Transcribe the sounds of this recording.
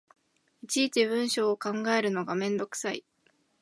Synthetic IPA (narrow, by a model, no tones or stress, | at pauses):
it͡ɕiːt͡ɕiβɯ̟̃ɰ̃ɕo̞ːkãŋɡae̞ɾɯ̟no̞ɡamẽ̞nd̪o̞kɯ̥saḭ